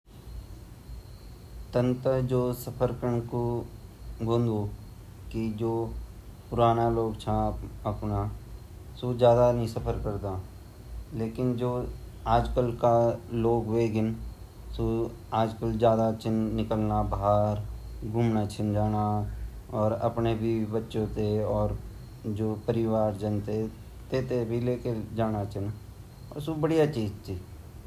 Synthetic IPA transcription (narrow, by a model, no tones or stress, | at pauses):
t̪ə̃nt̪ɾəd͡ʒoːsəpʰəɾkəɳ̃ko | ɡʱõːnd̪o | kid͡ʒoːpʊɾaːnaloːɡt͡ʃʰãəpna | soːd͡ʒjaːd̪anɦĩsəpʰəɾkəɾt̪a | leːkɪnd͡ʒoː | aːd͡ʒkəlkaloːɡʋeːɡɪn | so | aːd͡ʒkəld͡ʒjaːd̪at͡ʃɪnːɪkəlnabaɦaɾɡʱuːmnat͡ʃʰɪnd͡ʒaːna | ɔːɾə̰pnebʱibətːʃõt̪eɔːɾ | d͡ʒoːpəɾɪʋaːɾd͡ʒənt̪e | t̪eːt̪ebʱileːked͡ʒaːñat͡ʃʰɪn | ɔ̰ːɾsubəɽijat͡ʃiːd͡ʒt̪iː